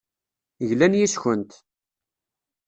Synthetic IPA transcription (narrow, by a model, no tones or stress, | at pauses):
ʝlænjisçənt̪